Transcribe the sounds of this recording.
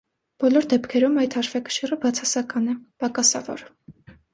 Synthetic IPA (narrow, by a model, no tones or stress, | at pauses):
b̥ɔlɔɾd̪ɛpkʰɛɾumɑjt̪hɑʃvɑkə̥ʃirəbɑt͡sʰɑsɑkɑnɛpɑkɑsɑ̰vɔ̰ɾ